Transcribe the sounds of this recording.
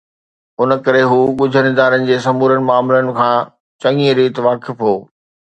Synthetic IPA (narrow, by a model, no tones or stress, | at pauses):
ʊnə̆kɐɾeɦuːɠʊd͡ʑʱənɪd̪aːɾənɪ̆d͡ʑeːsɐmuːɾənɪ̆maːmɪlənɪ̆kʰãː | t͡ɕɐŋiɾiːt̪ʋaːkɪfɦoː